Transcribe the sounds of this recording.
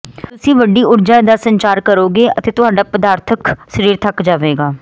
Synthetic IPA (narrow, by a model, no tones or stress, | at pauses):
t̪ʊsĩːʋəɖiːʊɾd͡ʒaːd̪aːsəɲt͡ʃaːɾkəɾoːɡeːʔət̪eːt̪ʊɦaːɖaːpəd̪aːɾt̪ʰəkʃəɾiːɾt̪ʰəkd͡ʒaːʋeːɡaː